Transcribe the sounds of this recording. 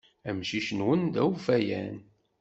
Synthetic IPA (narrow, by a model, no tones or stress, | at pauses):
æmʃiʃənwənd̪æwfæjæ̰n